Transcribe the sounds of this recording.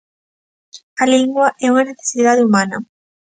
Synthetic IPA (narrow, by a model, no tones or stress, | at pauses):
ɐliŋɡwɐʔɛuŋɐneθe̥siðaðɪumanɐ